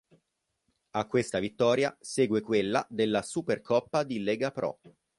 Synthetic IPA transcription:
akːwest̪avit̪ːɔːɾjasɛːɡwekwelːad̪elːasuperkʰɔpːad̪ilɛɡapɾɔ̰

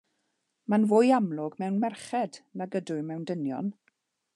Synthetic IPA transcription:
manvʊːjamlʊɡmɛwnmɛrχɛdnaɡədʊɨmɛwndənjɔ̰n

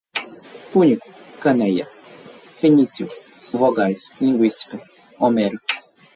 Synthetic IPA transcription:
puɲiku̥kɐnejɐ | fenisjṵ | voɡajslĩŋɡwist̪i̥kɐ | omɛɾu

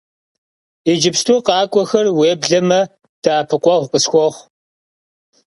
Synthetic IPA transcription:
id͡ʒɪpstʰuːqɑːkʷʼɔxɐrweːbɮɐmɐ | d̥aːpʰɨqʷʼɔʁʷqʼəsxʷɔʁʷ

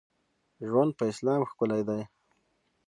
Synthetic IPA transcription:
ʒwand̪̚pəɪslɑːmxkʊlajd̪aj

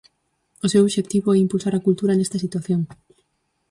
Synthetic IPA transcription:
osewoβʃek̚t̪iβoɛimpulsaɾɐkult̪uɾɐnest̪ɐsit̪waθjoŋ

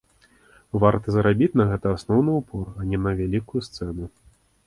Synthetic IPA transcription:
vart̪ɐzɾabʲit͡sʲnɐɣɛt̪ɐasnɔwnɨupʰɔrɐnʲɛnɐvʲalʲikujust̪sɛnu

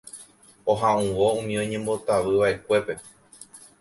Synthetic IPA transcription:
oɦãũʋoũmĩõɲẽ̞mbot̪aʋɨʋaʔe̞kʷe̞pe̞

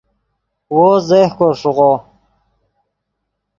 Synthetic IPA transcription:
wozehkoɾʂuʁo

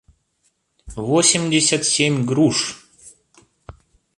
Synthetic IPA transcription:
vosʲɪmʲdʲɪsʲat̪sʲemʲɡɾuʂ

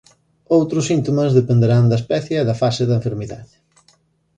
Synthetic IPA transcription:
owt̪ɾʊsint̪omɐzðepend̪eɾand̪ɐespɛθjɐɛðɐfasɪðɐeɱfeɾmiða̰ðɪ

